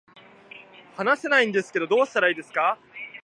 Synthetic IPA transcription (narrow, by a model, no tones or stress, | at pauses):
hanase̞naĩnd̪e̞sɨ̥ke̞d̪o̞d̪o̞ːɕt̪aɾaiːd̪e̞sɨ̥ka